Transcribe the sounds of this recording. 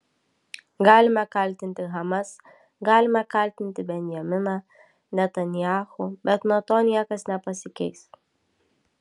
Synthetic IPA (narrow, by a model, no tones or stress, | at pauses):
ɡɑːlʲɪmɐkɐlʲt̪ʲɪnʲt̪ʲɪɣɐmɐs | ɡɑːlʲɪmɐkɐlʲt̪ʲɪnʲt̪ʲɪbʲɛnʲjɛmʲɪnɐ | nʲɛt̪ɐnʲjaːxʊbʲɛt̪nɔt̪oːnʲiɛkɐsnʲɛpɐsʲɪkʲɛɪs